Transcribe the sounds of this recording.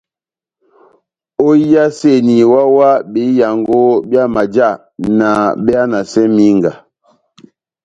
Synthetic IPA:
o˦i˦a˦se˦˨ni˨wa˦wa˦be˨˦ja˨ŋɡo˦bja˦ma˨d͡ʒa˦˨ | na˨ɓe˦a˦na˨sɛ˦mi˦ŋɡa˨

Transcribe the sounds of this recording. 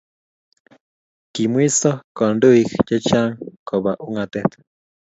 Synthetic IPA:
ki˨mwi˦sɔ˦kɔ˨ndu˦i˦kt͡ʃe˦t͡ʃa˦ŋkɔ˨βa˨ʔu˦ŋa˨t̪ɛ˦t̪

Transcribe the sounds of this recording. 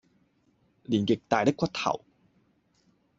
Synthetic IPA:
liː˨˩nkɪ˨k̚t̪aː˨jt̪ɪ˥kʷːɐ˥t̚t̪ʰɐ̰˨˩w

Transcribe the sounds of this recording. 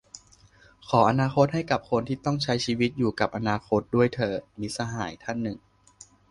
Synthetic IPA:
kʰɔː˩˦ʔa˧naː˧xʰo˦˥t̪̚ha˥˩jka˨˩p̚kʰo˧nt̪ʰiː˥˩t̪ɔ˥˩ŋt͡ɕʰa˦˥jt͡ɕʰiː˧wi˦˥t̪̚juː˨˩ka˨˩p̚ʔa˧naː˧xʰo˦˥t̪̚du˥˩əjt̪ʰɤː˧miː˧˥sa˧ɦaː˩˦jt̪ʰa˥˩nːɯ˨˩ŋ

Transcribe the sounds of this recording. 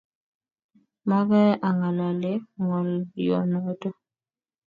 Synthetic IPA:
ma˦βɛ˦ʔa˨ŋa˨la˨le˦ŋɔ˨ljɔ̰˨nɔ˦tɔ˦

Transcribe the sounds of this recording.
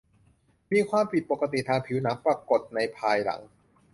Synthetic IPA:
miː˧kʰwaː˧mpʰi˨˩t̪̚po˨˩ka˧t̪̬i˨˩t̪ʰaː˧ŋpʰi˩˦wnaː˩˦˥mpɾa˧ko˨˩t̪̚na˧jpʰaː˧jla̰˩˦ŋ

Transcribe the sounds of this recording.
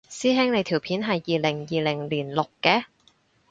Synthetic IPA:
siː˥ɦɛː˥ŋle˨˧jt̪ʰiː˨˩wpʰiː˨˥nɦɐ˨jːiː˨˩le˨˩ŋjiː˨le˨˩ŋliː˨˩nlo˨˩kːɛː˧

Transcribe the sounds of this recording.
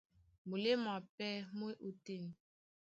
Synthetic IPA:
mu˨le˦ma˨pɛ˦mwe˦ʔu˨te˦˨n˨

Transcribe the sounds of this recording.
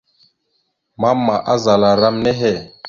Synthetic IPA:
ma˦mːa˨ʔa˦za˨la˨ɾa˦mne˦ɦɛ˦˨

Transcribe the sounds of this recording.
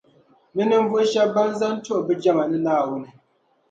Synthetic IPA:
nɨ˦nɨ˦m˦vʊ˦ʃɛ˦ba˦nza˦ntʊ˦ʔbɨ˦d͡ʒɛ˦ma˨nɨ˦naː˦˨wʊ˦nɨ˦

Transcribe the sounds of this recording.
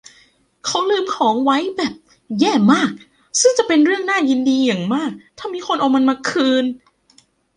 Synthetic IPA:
kʰa˦˥wlɯː˧mkʰɔː˩˦ŋwa˦˥jbɛː˨˩p̚ | jɛː˥˩maː˥˩k̚ | sɯ˥˩ŋt͡ɕa˨˩pe˧nɾɯ˥˩əŋnaː˥˩ji˧ndiː˧ja˨˩ŋmaː˥˩k̚t̪ʰaː˥˩miː˧xʰo˧nʔa˧˩wma˧nmaː˧kʰɯː˧n

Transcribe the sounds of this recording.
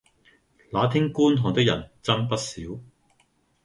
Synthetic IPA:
laː˨˥t̪ʰɪ˥ŋkuː˥nt̪ʰɔː˨˩ŋt̪ɪ˥k̚jɐ̰˨˩nt͡sɐ˥npɐ˥t̚siː˨˥w

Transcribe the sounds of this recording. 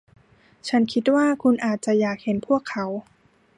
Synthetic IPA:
t͡ɕʰa˦˥nkʰi˦˥t̪̚waː˥˩kʰu˧nʔaː˨˩t̪̚t͡ɕa˨˩jaː˨˩k̚he˩˦npʰu˥˩əkʰːa˩˦˥w

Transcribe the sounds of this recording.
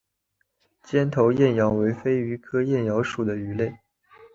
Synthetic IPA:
t͡ɕjɛ˥nt̪ʰo˧˥ʊjɛ˥˩njɑ˧˥ʊwe˧˥ɪfe˥ɪy˧˥kʰɤ˥jɛ˥˩njɑ˧˥ʊʂu˨˩d̪ə˦y˧˥le˥˩ɪ

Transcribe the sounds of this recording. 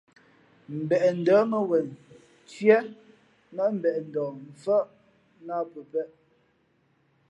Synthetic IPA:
m̩˨bɛ˨ʔn̩˨dəː˨˦mə˨wɛ˨n | t͡sɥɛ˦ | nə˦m̩˨bɛ˨ʔn̩˨dɔː˨m̩˨fə˦ʔ | na˦pə˨pɛ˦ʔ

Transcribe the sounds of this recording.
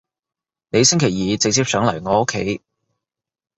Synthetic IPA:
ne˨˧jsɪ˥ŋkʰe˨˩jjiː˨t͡sɪ˨k̚t͡siː˥p̚sœː˨˥ŋlɐ˨˩jŋɔː˨˧o˥kʰːe˨˥j

